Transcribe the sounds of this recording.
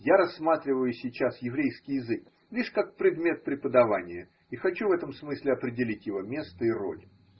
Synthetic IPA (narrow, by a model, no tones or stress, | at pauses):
jaɾɐsːmat̪ɾʲɪvəjʊsʲɪjt͡ɕasjɪvɾʲejskʲɪjɪzɨk̚ | lʲiʂkak̚pɾʲɪd̪mʲe̞t̪̚pɾʲɪpəd̪ɐvanʲɪjə | ixɐt͡ɕuvɛt̪əmsmɨsʲlʲɪɐpɾʲɪdʲɪlʲitʲjɪvo̞mʲe̞st̪əɪɾo̞̰lʲ